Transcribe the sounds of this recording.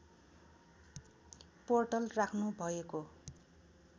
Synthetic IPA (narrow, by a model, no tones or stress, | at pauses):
porʈʌlrakʰnubʱʌeko